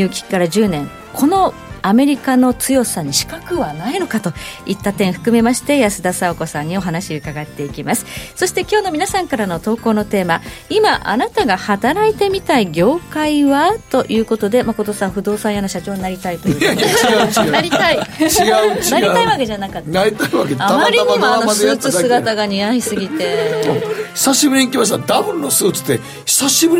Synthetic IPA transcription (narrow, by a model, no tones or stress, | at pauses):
jɯ̟ːkʲi̥kʲi̥kːaɾad͡ʑɨːnẽ̞ŋ | kʰo̞no̞ | ame̞ɾʲikano̞t͡sɨjo̞saɲ̟iɕi̥kakɯ̟βanaino̞kat̪o̞it̪ːat̪ẽ̞ɰ̃ɸɯ̟̥kɯ̟me̞maɕi̥t̪e̞jasɨd̪asaoko̞sãɲ̟ːio̞ɦanaɕiɯ̟kaɡat̪ːe̞ikʲimasɨ̥so̞ɕi̥t̪e̞kʲo̞ːno̞mʲinasãŋkaɾano̞t̪o̞ːko̞ːno̞t̪e̞ːmaimaʔa̰nat̪aɡahat̪aɾait̪e̞mʲit̪aiɡʲo̞ːkaiβat̪o̞ʔjʔɯ̟ːko̞t̪o̞d̪e̞mako̞t̪o̞sãɸɯ̟d̪o̞ːsãjanoɕat͡ɕo̞ːɲinaɾʲit̪ait̪ojːɡanaɾʲit̪aiiɡaɯt͡ɕnaɾiaiβake̞ʑanakat̪ːaɾʲit̪aiβakeamaaɾʲiɲamaosɨːt͡sɨsɨɡat̪aɡaɲ̟ijaisɨɡʲit̪e̞oçi̥saɕibɯ̟ɲʲikʲimaɕ̬t̪ad̪abɯ̃nːo̞sɨːt͡sɨ̥d̪e̞ | çi̥saɕibɯ̟